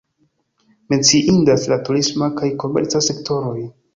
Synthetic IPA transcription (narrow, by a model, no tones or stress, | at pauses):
me̞nt͡siʔindaslatuɾismakajko̞mḛɾt͡sase̞kto̞ɾo̞j